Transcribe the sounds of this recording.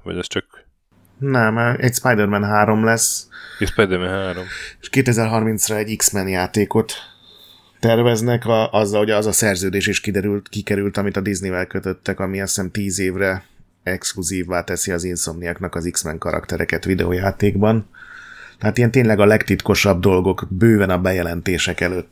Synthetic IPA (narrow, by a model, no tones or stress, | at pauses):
ʋɒ̰ɟɛst͡ʃɒk | nɛmɛcspajd̪ɛrmɛnɦaːɾo̞mlɛsespajd̪ɛɾmɛnɦaːɾome̥ʃkeːt̪ɛzɛrɦɒrmint̪srɛɛɟːiksmɛnjaːt̪eːko̞t̪ː | ɛrvɛznɛkɒʔɒzːɒlhoɟɒzɒsɛrzøːd̪eːʃeːʃkid̪ɛɾylt̪kikɛɾylt̪ɒmit̪ɒd̪iznivɛlkøt̪ø̞t̪ːɛkɒmiɛsɛnt̪iːzeːvrɛ | ɛkskluziːvːaːt̪ɛsiɒzinsomnijɒknɒkɒziksmɛŋkɒɾɒ̰kt̪ɛɾɛkɛt̪ʋid̪ɛ̰o̰ːjaːt̪eːɡbɒn | t̪ɛɦaːt̪ijɛnt̪eːɲnlɛɡɒlɛkt̪it̪ko̞ʃɒb̚d̪o̞lɡo̞kbøːvɛnɒbɛjɛlɛnt̪eːʃɛkɛløːt̪ː